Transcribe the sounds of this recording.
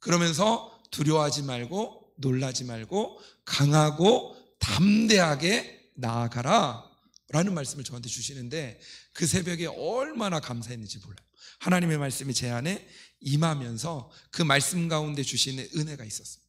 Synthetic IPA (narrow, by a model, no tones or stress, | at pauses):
kɯɾʌmjʌns̬ʰʌ | tuɾjʌɦad͡ʑimaɭɡo | noɭːad͡ʑimaɭɡo | kaŋɦaɡo | tamde̞ɦaɡe̞ | naːɡaɾa | ɾanɯnmaɭs͈ɯmɯɭt͡ɕʌɦantʰe̞t͡ɕuɕʰinɯnde̞kɯsʰe̞bjʌɡeʔʌɭmanakamsʰaɦenːɯnd͡ʑimoɭːajohanaɲime̞maɭs͈ɯmit͡ɕe̞ane̞imamjʌnsʰʌkɯmaɭs͈ɯmɡaunde̞t͡ɕuɕʰinɯne̞ɡais͈ʌs͈ɯmid̥ḁ